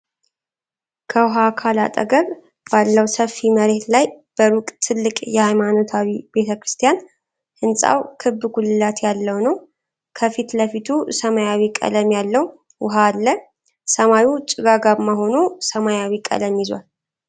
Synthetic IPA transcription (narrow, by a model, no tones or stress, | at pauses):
kʰəwɦakʰala̰t̪ʼə̰ɡəβ | b̥alːəwsəfːiməɾe̞t̪lajb̥əɾukʼt̪ʰɨlːɨkʼjɛhajmano̞t̪ʰawib̥e̞t̪ʰəkɾɨst̪ʰijan | hɨnsʼa̰wkʰɨbːɡulɨlːat̪jalːəwnəw | kʰəfit̪ləfit̪ʰusəmajawikʼə̰ləmjalːəw | wʊɦaːlːə | səmajut͡ʃʼɪɡaɡaβmaɦo̞nusəmajawikʼə̰ləmjɪzwa̰l